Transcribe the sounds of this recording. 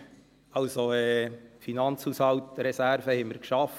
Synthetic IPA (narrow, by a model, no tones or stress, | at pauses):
ɑʊsoɛːfinɑnt͡shuːshɑwtɾɛsæɾvəhɛmːəɾkʃɑf